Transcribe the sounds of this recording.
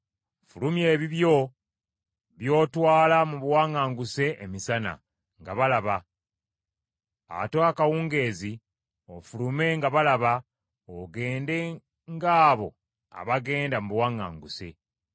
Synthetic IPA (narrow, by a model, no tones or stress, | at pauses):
fulumje̞ːβiβjo̞ | βjo̞ːtwaːlamuβwaːŋaːŋɡuse̞ʔemisana̰ | ŋɡa̰βalaβa | a̰toakawuːŋɡe̞ːzi | ofulume̞ŋɡaβalaβa | oɡe̞ːnde̞ | ŋɡaːβo̞̰ | a̰βaɡe̞ːndamuβwaːŋa̰ːŋɡuse̞̰